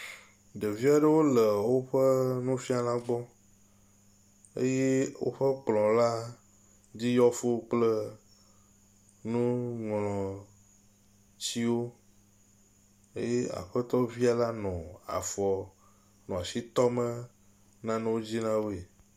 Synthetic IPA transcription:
ɖe˨vi˦a˨ɖə˦wo˦lə˨wo˦ɸə˦nũ˦fi˦a˨lã˦ɡ͡bɔ˦ | ḛ˦je˦wo̰˦ɸə˦k͡plɔ̃˨la˦ | d͡ʑi˦jɔ˦fo˦k͡plə˦ | nũ˦ŋlɔ̃˨ | t͡ɕi˦wo˦ | ḛ˦je˦a̰˨ɸə˦t̪ɔ˦vi˦a˨la˦nɔ̃˨a̰˨fɔ˨ | nɔ̃˨a˨si˦t̪ɔ˦mə˦ | nã˦nẽ˦wo˦d͡ʑi˦nã˦wo˦e˨

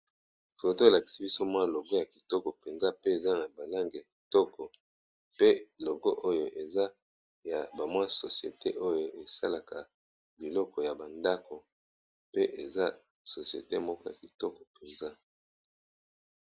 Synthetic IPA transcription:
fo˨to˦e˨la˨ki̥˨si˦bi˦so˦mwa˦˨lo˨ɡɔ˦ja˨ki̥˨tɔ˦kɔ˨pe˨nza˦pe˦e˨za˦na˨ba˨la˦ŋɡi˨ja˨ki̥˨tɔ˦kʰɔ˨ | pe˦lo˨ɡɔ˦ʔo˦jo˦ʔe˨za˦ | ja˨ba˨mwa˦so˨si˨ḛ˨te˦ʔo˦jo˦ʔe˨sa˦la˨ka˨ | bi˨lɔ˦kɔ˨ja˨ba˨nda˦ko˨ | pe˦ʔe˨za˦ | so˨si˨ḛ˨te˦mɔ˦kɔ˦ja˨ki˨tɔ˦kɔ˨pe˨nza˦

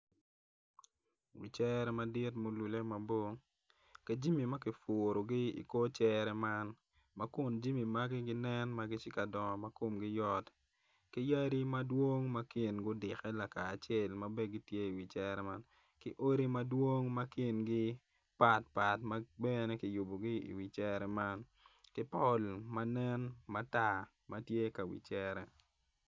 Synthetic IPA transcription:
wḭ˨t͡ʃɛ˦ɾɛ˦ma˨dɪ˦tmo˨lu˨le˦ma˨bo˦ŋ | ka˨d͡ʒi˦mi˨ma˦kɪ˨fʊ˨ɾo˨ɡɪ˦ḭ˨ko˦t͡ʃɛ˦ɾɛ˦ma˦n | ma˦kʊ˨nd͡ʒi˦mi˨ma˦ɡɪ˦ɡɪ˦nɛ˦nma˦ɡɪ˦t͡ʃɪ˦ka˨dɔ˨ŋɔ˨ma˦ko˨mɡɪ˦jɔ˦t | kɪ˦ja˦ɾi˦ma˦dwo˦ŋma˦ki˨nɡʊ˦dɪ˨xɛ˦la˨kaː˨t͡ʃɛ˦˨lma˦be˦ɡɪ˦tje˦i˨wi˨t͡ʃɛ˦ɾɛ˦ma˦n | kɪ˦ʔo˦ɾi˦ma˦dwo˦ŋma˦ki˨nɡɪ˦ | pa˨t̚pa˨tma˦bɛ˦ne˦kɪ˨ju˨bo˨ɡi˦ḭ˨wi˨t͡ʃɛ˦ɾɛ˨ma˦n | kɪ˦pɔ˦lma˦nɛ˦nma˦ta˦ | ma˦tje˦ka˨wḭ˨t͡ʃɛ˦ɾɛ˨

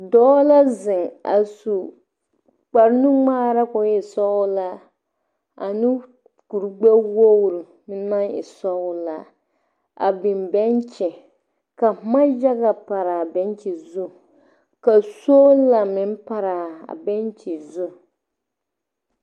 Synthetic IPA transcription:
dɔː˦la˦zɪ˨ŋa̰˨su˨ | k͡pa˨ɾnu˦ŋ͡maː˦ɾa˦kʊ˨˦ɪ˨sɔ˦wʊ˦la˦ | a̰˨nɪ˦ | ku˨ɾɡ͡bɛ˦wo˦wɾu˨ | mɪ˦n˦na˦nɪ̰˨sɔ˦wʊ˦la˨ | a̰˨bɪ˨mbɛ˦nt͡ʃɛ˨ | ka˨ma˦d͡ʒa˦ɡa˨pa˨ɾa˨bɛ˦nt͡ʃi˨zʊ˦ | ka˨so˦la˨mɪ˦n˦pa˦ɾa˨a̰˨bɛ˦nt͡ʃi˨zʊ˦

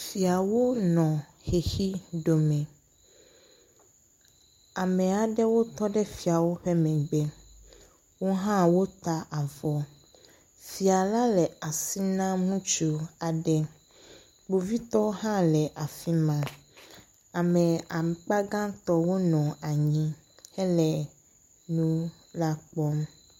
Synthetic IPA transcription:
fi˨a˨wo˦nɔ̃˨ | xe˨xi˦ɖo˨mɛ̃˨ | a˨mɛ̃˨a˨ɖɛ˦wo˦t̪ɔ˦ɖɛ˦fi˨a˨wo˦ɸe˦mɛ̃˨ɡ͡bɛ˦ | wo˦ɦã˦wo˦t̪a˦ʔa˨vɔ˨ | fi˨a˨la˦lɛ˨a˨si˦nã˦mũ˦t͡ʃu˨a˨ɖɛ˦ | ɡ͡bo˨vi˦t̪ɔ˦ɦã˦lɛ˨ʔa˨fi˦mã˨ | a˨mɛ̃˨a˨k͡pa˦ɡã˦t̪ɔ˦wo˦nɔ̃˨a˨ɲĩ˦ | hɛ˦lɛ˨ | nũ˦ | la˦k͡pɔ˦m

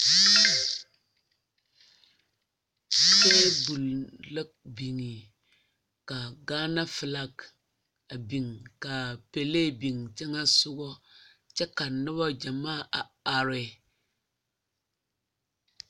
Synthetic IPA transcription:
se˦bu˨llɨ˦k̚bi˨ŋi˨ | ka˨ɡaː˦na˦fɨ˨la˦k | a˨bi˨ŋka˨pe˨le˦bi˨ŋt͡ʃɛ˦ŋa˦sʊ˦ɡɔ˦ | t͡ʃɛ˦ka˨nɨ˦ba˦d͡ʒa˨maː˦˨ʔa˨a˨ɾɪ˨

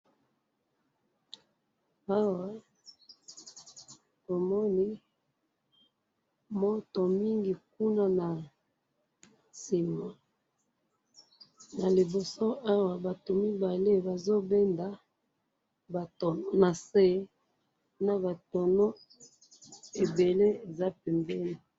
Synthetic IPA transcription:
a˦wa˨ | to˨mɔ˦ni˦ | mo˦to˨mi˦ŋɡi˨k̚u˦na˦na˨ | si˨ma˨ | na˨li˨bo˨so˦a˦wa˨ba˨to˨mi˦ba˨le˦ba˨zo˦bɛ˦nda˨ | ba˨to˨˦na˨se˦ | na˨ba˨tɔ˨no˦ | e˨be˨le˦e˨za˦pɛ˨mbɛ˦ni˨

